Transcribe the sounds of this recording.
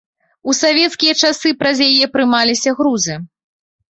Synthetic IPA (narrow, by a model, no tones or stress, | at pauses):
usavʲɛt̪skʲijɐt͡ʂasɨpɾɐzjajɛpɾɨmalʲisʲɐɣɾuzɨ